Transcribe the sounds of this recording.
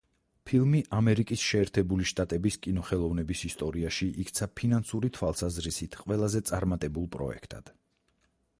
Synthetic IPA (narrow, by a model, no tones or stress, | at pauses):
pʰilˠmiʔamɛɾikʼisʃɛːɾt̪ʰɛbuliʃt̪ʼat̪ʼɛbiskʼinɔχɛlˠɔvnɛbisist̪ʼɔɾiaʃiʔikʰt̪sʰapʰinansuɾit̪ʰwalˠsazɾisit̪ʰqʼwɛlˠazɛt̪sʼaɾmat̪ʼɛbulˠpʼɾɔ̰ɛ̰kʰt̪ʼa̰d̪̥